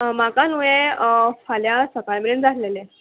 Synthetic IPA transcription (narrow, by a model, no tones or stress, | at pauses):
makanuʋefaljasəkalmeɾund͡zʱatlele